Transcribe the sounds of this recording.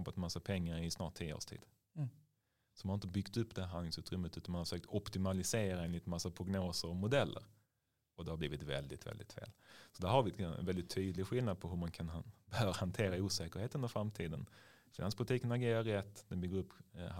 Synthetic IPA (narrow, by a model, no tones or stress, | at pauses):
pːat̪masːapʰɛŋːaɾɪsnɑːʈ̚t̪ʰːiːəo̰ːʂtʰḭːd̪̥ | sɔmanaɾɪnt̪əbʏɡt̪ɵpːd̪ɛæɾɦand̪ɪŋsʉ̟ːt̪ɾʏmːət̪ʉ̟t̪anmanhafʂøːkt̪ɔpt̪ɪmalɪseːɾaeːnlɪt̪masːapʰɾʊɡnoːsəɾɔmʊd̪ɛlːə̰ɾ | ɔd̪ɛhabliːvɪt̪vɛ̰ld̪ɪt̪vɛ̰ld̪ɪ̰t̪fḛːlsɔd̪æɾɦaɾvɪɛt̪nvɛld̪ɪt̪ʰːyːd̪lɪɡɧɪlnad̪̚pʰɔɦɵmankʰanbəœːɾahant̪ʰeːɾauːsɛːkəɾheːt̪əɵnəɾfɾamt̪ʰiːd̪ən | fɪna̰nspʰʊlɪt̪iːkənaɡeːɾaɾɛt̪ːd̪ɛnbʏɡːəɾɵpː